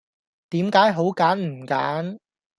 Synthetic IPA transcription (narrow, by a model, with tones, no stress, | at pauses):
t̪iː˨˥mkaː˨˥jɦo˨˥wkaː˨˥nm̩˨˩ka̰ː˨˥n